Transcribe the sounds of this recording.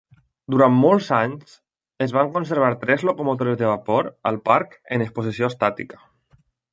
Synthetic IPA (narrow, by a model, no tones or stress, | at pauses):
d̪uɾammolˠzaɲs | ezβ̞aŋkons̬eɾβ̞aɾt̪ɾɛzlokomot̪oɾezðeβapoɾə̰lˠpaɾkeneksposisjost̪at̪ḭkə̥